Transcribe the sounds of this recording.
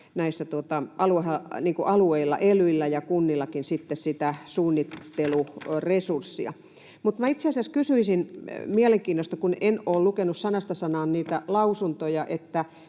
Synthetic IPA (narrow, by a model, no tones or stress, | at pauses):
næisːæt̪uot̪ɑɑlueɑniːŋkuʔɑlueilːɑ̰ʔelyilːæjɑkunːilːɑkinsit̪ːessit̪æsuːnːit̪ːeluresursːḭɑ̰ | mut̪mɑit̪seɑsiɑskysyisinmiæleŋkiːnːost̪ɑkunenoːllukenussɑnɑst̪ɑsɑnɑːnniːt̪ælɑusunt̪ojɑʔet̪ːæ